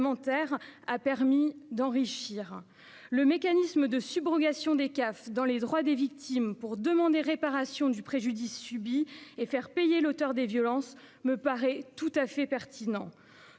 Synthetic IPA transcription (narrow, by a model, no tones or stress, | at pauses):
mɑ̃t̪ɛʁapɛʁmid̪ɑ̃ʁiʃiːʁ | ləmekanisməd̪əsybʁɔɡʲasjɔ̃d̪ekafd̪ɑ̃led̪ʁwad̪evik̚t̪ʰimpuʁd̪əmɑ̃d̪eʁepaʁasjɔ̃d̪ypχeʒyd̪isːybiefɛʁpejelot̪œʁd̪evjɔlɑ̃s | məpaʁɛt̪ut̪afɛpɛʁt̪inɑ̰̃